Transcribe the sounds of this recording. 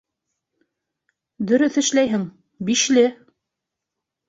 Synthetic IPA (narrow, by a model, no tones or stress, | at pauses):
d̪ɵ̆ɾɵθɘ̆ʃlæjɦɘŋ | biʃlɘ